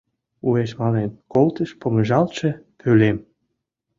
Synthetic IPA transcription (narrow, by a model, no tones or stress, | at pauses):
ueʃmɑnenkolt̪ə̆ʃpomə̆ʒɑlt͡ɕĕpʰølem